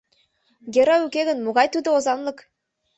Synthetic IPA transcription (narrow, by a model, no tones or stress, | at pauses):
ɡʲeɾɑʉkʲeɣɘ̆nmuɣɑjt̪yd̪ɘ̆ozɑnlˠɤk